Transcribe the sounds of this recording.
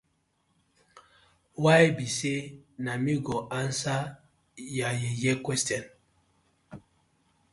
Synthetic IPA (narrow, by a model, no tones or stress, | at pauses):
wajbisenamiɡɔʔansa | jajejɛkwɛstɔn